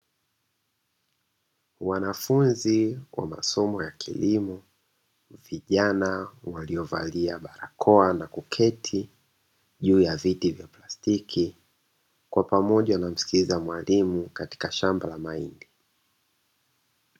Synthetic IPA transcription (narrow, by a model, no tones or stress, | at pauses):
wanafunziwa̰ma̰sɔmɔjakʰḭlimɔ | viʄanawaliɔva̰liaɓaɾakʰɔanakukʰɛtʰi | ʄuːjavitivjaplastikʰi | kwapamɔʄanam̩si̥kilizamwalimukati̥kaʃambalamaḭndi